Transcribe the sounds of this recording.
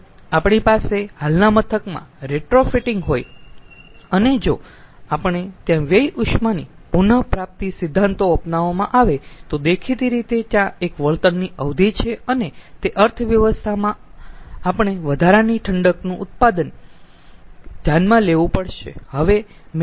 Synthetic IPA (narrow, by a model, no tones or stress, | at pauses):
apɳ̃ipasehalnamət̪ʰəkmã̰ɾeʈɾofiʈɪŋɡɦoj | əned͡ʒo | apəɳ̃et̪jãʋejuʃmanipunəpɾap̚t̪isɪd̪ʱːãnt̪oəpnaʋamãʔaʋet̪od̪ekʰit̪iɾit̪et̪jãekʋəɭt̪ənːiəʋd̪ʱit͡ʃʰeənet̪eʔəɾt̪ʰʋjəʋəst̪ʰamãapəɳ̃eʋəd̪ʱaɾaniʈʰəɳɖəknũʔʊt̪̚pad̪ən | d͡ʒ̪janmãleʋũpəɭʃḛhəʋe | m